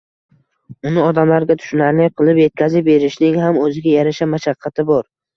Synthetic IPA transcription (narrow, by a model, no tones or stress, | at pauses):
ʊnɪɒd̪amlaɾɡʲat̪ʰʊ̥ʃʊnaɾnɪqʰɨlˠɪpje̞t̪̚kʲʰazɪp̚be̞ɾɪʃnɪŋɦamɵzɪɡʲajaɾaʃamaʃaqʰːɑt̪ʰɪbɒɾ